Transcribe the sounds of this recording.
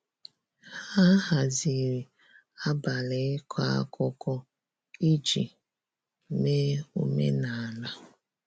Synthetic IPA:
ha˦ha˨zi˨ɾi˨ | a˦ba˨le˨˦kʰʷa̰˦kɔ˦kɔ˦ | i˦d͡ʒḭ˨ | me˦u˦mḛ˦na˨a˨na˦

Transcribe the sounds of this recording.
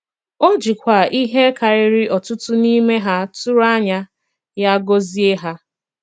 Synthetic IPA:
o˦d͡ʒi˨kʷa˨i˦ɦe˦ka˨ɾɪ˦ɾɪ˦ʔɔ˨tʊ˦tʊ˦ni˦me˦ɦa˦tʊ˦ɾa˦ɲa˦ | ja˦ɡo˦zi˦e˦ɦa˦

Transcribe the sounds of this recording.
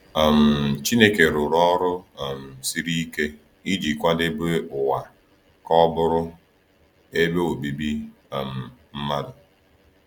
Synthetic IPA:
m̩˨t͡ʃi˦ne˦ke˨ɾʊ˨ɾɔ˦ɾʊ˦˨m̩˨si˦ɾi˦ke˦ | i˦d͡ʒi˨kʷa˦dɪ˦bʊ˦ʊ˨wa˨ | kɔ˦bʊ˦ɾʊ˦ | e˦be˦o˨bi˨bi˦˨ | m̩˨m̩˦ma˦dʊ˨

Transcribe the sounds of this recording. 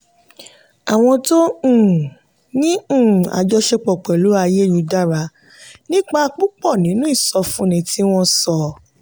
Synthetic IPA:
a˨w̃ɔ̃˧tõ˦˨ | nĩ˦ũ˦˨a̰˧d͡ʒɔ˧˦ʃe˧k͡pɔ˨k͡pɛ˨lu˨˦a˧je˦ju˨˧da˦˨ɾa˧ | nĩ˦k͡pa˦a˧k͡pu˦k͡pɔ˦˨nĩ˨˦nũ˦i˦˨sɔ˧fũ˦nĩ˨˧tʰi˦w̃ɔ̃˧sɔ˧˨

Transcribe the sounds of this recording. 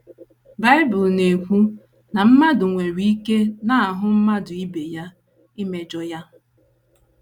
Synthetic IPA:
ba˦ɪ˦bʊ˨lne˨kʷu˦ | na˨m̩˦ma˦dʊ˨ŋʷe˨ɾi˨˦i˦ke˦na˨a˨ɦʊ˦m̩˦ma˦dʊ˨i˦be˨ja˦ | ɪ˦me˨d͡ʒɔ˦ja˦

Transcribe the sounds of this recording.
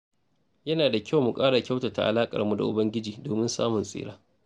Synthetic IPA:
jɐ˦naː˨da˨kʲʰa˦wmu˨kʼaː˦ɽa˨kʲa˦wta˨ta̰˨ʔa̰˨laː˦kʼɐ̰˨rmu˨da̰˨ʔʊ˨bɐ˦ŋɡʲɪ˦d͡ʒiː˨doː˨mɪ˦nsa̰ː˦mʊ˨nsʼḭː˦ɽaː˦

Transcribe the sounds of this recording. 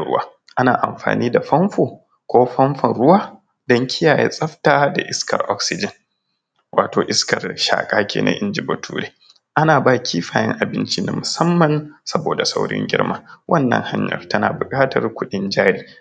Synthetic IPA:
ɽʊ̰˦waː˦ | ʔa˦naː˨ʔa˨mɸa̰ː˨niː˦da˨ɸɐ˦mɸoː˨ | kʷoː˦ɸɐ˦mɸɐ˨nɽʊ˦waː˦ | dɐ˦ŋkʰʲɪ˦jaː˨jḛ˦sʼɐ˦ɸtaː˦da˨ʔɪ˦skɐ̰˨rʔɔ˦ksɪ˨d͡ʒɐ˨n | wʔaː˨toː˨ʔɪ˦skɐ˨rʃa̰ː˨kʼaː˦kʲḛː˨na̰˦ʔɪ˦nd͡ʒɪ˨bo˨tʰuː˦ɽeː˦ | ʔa˦naː˨baː˦kʲʰi˦ɸaː˨jɛ̰˦ŋʔa˨bɪ˦nt͡ʃi˦na̰˨˦mʊ˨sɐ˦mːɐ˨nsɐ˦boː˨da˨sa˦wɽɪ̰˦ŋɡʲɪ̰˦rmaː˦wʔɐ˦nːɐ̰˦ŋha˦ɲjɐ̰˨rtɐ˦na̰ː˨bʊ˨kʼaː˦tɐ˨rkʷʊ˦ɗɪ˦nd͡ʒaː˦ɽiː˦

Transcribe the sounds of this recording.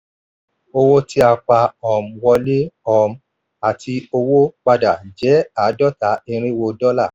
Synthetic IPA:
o˧wo˦ti˦a˧k͡pa˧ɔ˨m̩˨wɔ˧le˦ɔ˨m̩˧˦ | a˨tʰi˧o˧wo˦k͡pa˧da˨d͡ʒɛ˨˦a˨˦dɔ˦ta˨˦i˧ɾ̃ĩ˦wo˧dɔ˦la˦˨

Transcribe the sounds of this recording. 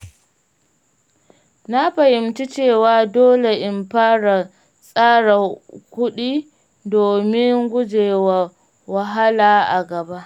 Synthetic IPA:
na˦ɸɐ˨hɪ˨mti˦t͡ʃeː˦˨waː˨doː˦le˨ʔɪ˦mɸaː˦ɽa˨ | sʼaː˦ɽa˨kʷʊ˦ɗiː˦ | doː˨mɪ˦ŋɡʷʊ˦d͡ʒeː˨wa˨ | wɐ˨ɦa˦laː˨ʔa˨ɡɐ˨ba˦ʔ

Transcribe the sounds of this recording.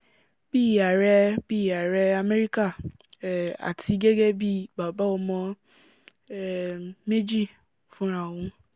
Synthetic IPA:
bi˦˨a˨ɾɛ˧b̥i˦˨a˨ɾɛ˧a˧me˦ɾi˦ka˦˨ | a̰˨ti˨˧˦ɡe˦ɡe˦bi˦ba˨ba˨˦ɔ˧mɔ̃˧ | ɛ˦˨me˦d͡ʒi˦˨ | fũ˦ɾ̃ã˦˨wũ˨˧˦

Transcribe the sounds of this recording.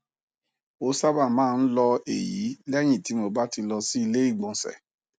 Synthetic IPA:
o˧˦sa˦ba˦˨mãː˦˧n̩˦lɔ˧ḛ˨ji˨˦lɛ˦j̃ĩ˦˨ti˨˦mo˧ba˦ti˧lɔ˧si˦i˧le˦i˦˨ɡ͡bɔ̃˨sɛ̰˨

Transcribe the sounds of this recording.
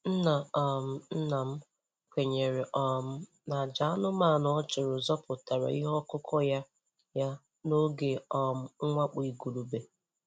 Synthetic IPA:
n̩˦na˨ɔ˨m̩˦n̩˦na˨m̩˦ | kʷe˨ɲe˨ɾɪ˨ʔɔ˨m̩˦ | na˨d͡ʒa˨a˦nʊ˦ma˦˨nʊ˨˦ɔ˦t͡ʃɪ˨ɾʊ˨zɔ˦pʊ˨ta˨ɾa̰˨i˦ɦɔ˦kʊ˦kʰɔ˦ja˦ | ja˦ | no˦ɡe˨ɔ˨m̩˦ŋ̩˦ŋʷa˦k͡pi˨ɡu˨lu˨be˨

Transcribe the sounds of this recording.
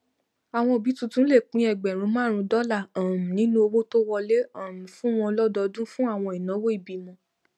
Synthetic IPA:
a˨w̃ɔ̃˧o˨bi˨˦tũ˧tũ˦le˦˨k͡pĩ˨˦ɛ˨ɡ͡bɛ˨ɾ̃ũ˨˦mãː˦˨ɾ̃ũ˧˦dɔ˦la˦˨ã˨m̩̃˨nĩ˦nũ˦o˧wo˦to˦wɔ˧le˦ã˦˨m̩̃˨fũ˦w̃ɔ̃˧lɔ˦dɔ˧dũ˦fũ˦a˦˨w̃ɔ̃˧i˨nã˨˦wo˦i˦˨bi˨mɔ̃˧

